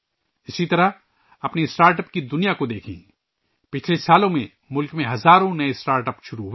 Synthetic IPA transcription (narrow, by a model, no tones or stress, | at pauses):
ɪsit̪ɐɾəɦ | ɐpnesʈaːɾʈəp̚kid̪ʊnijakod̪eːkʰḭ̃ | pɪt͡ʃʰlesaːlõmẽ | mʊlkmẽɦɐzaːɾõnɐesʈaːɾʈəpʃʊɾuɦ